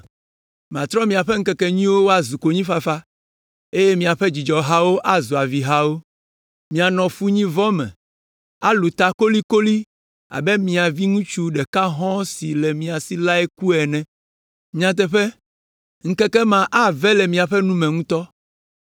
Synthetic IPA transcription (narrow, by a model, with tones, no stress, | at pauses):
m˨ã˨t̪ɾɔ˦mĩ˨a˨ɸɛ˦ŋ̩˦kɛ˦kɛ˦ɲĩ˦wo˦wo˦a˨zu˨ko˨ɲĩ˦fa˨fa˦ | e˦je˦mĩ˨a˨ɸe˦d͡ʑi˨d͡ʒɔ˨ɦa˦wo˦ʔa˦zu˨a˨vi˨ɦa˦wo˦ | mĩ˨a˨nɔ̃˨fu˦ɲĩ˦vɔ˦mɛ̰̃˨ | a˦lu˨t̪a˨ko˦li˦ko˦li˦ | a̰˨bɛ˦mĩ˨a˨vi˦ŋũ˦t͡ʃu˦ɖɛ˨ka˦ɦɔ̃˦si˨lɛ˨mĩ˨a˨si˦la˦ɛ˦ku˦ɛ˨nɛ̃˨˦ | ã˦t̪̬ɛ˦ɸɛ˦ | ŋ̩˦kɛ˦kɛ˦mã˨ʔa˦vɛ˦lɛ˨mĩ˨a˨ɸɛ˦nũ˦mɛ̃˨ŋũ˦t̪ɔ˦